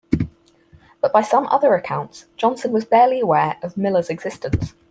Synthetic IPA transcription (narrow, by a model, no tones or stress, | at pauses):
b̥ʌʔb̥aɪsʌ̃mʔʌ̰ðəɹəkʰãʊ̃ntsd̥ʒ̥ɒ̃nsə̃nwɒzbɛːliəwɛːɹʔəvmɪləzɛɡz̥ɪstə̃ns